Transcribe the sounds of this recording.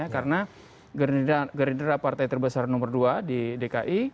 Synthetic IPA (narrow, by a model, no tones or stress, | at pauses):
akaɾəna | ɡɡəɾindəɾapart̪ajt̪ərbəsarnɔmərduadidekaʔi